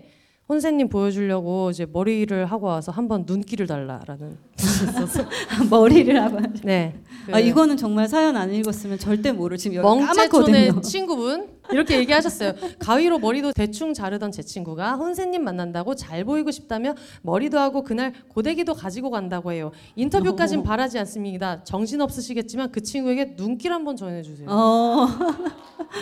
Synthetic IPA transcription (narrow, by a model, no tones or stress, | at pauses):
hons̬ʰe̞ɲːimpojʌd͡ʑuʎːʌɡoid͡ʑe̞mʌɾiɾɯɭɦaɡoawasʰʌɦambʌnːunk͈iɾɯɭtaɭːa̰ɾa̰nɯn | ʌsʌmʌɾiɾɯɭhaɡoad͡ʑne̞aiɡʌnɯnt͡ɕʌŋmaɭsʰajʌnaniɭɡʌs͈ɯmjʌnt͡ɕʌɭt̬͈e̞moɾɯɭt͡ɕimmʌŋt͡ɕekdoneot͡ɕʰinɡubun | iɾʌkʰe̞je̞ɡiɦaɕʰʌs͈ʌjokawiɾomʌɾidote̞t͡ɕʰuŋt͡ɕaɾɯdʌnt͡ɕe̞t͡ɕʰiŋɡuɡaɸonsʰe̞ŋɲːimːanːandaɡot͡ɕaɭboiɡoɕʰi̥p̚t͈amjʌn | mʌɾidoɦaɡokɯnaɭkode̞ɡidokad͡ʑiɡokandaɡoɦe̞jo | intʰʌbjuk͈ad͡ʑinpaɾad͡ʑians͈ɯmɲidat͡ɕʌŋɕʰinʌp̚s͈ɯɕʰiɡet̚t͡ɕ͈imankɯt͡ɕʰinɡue̞ɡe̞nuŋk͈iɾɦambʌnt͡ɕʌne̞d͡ʑusʰejo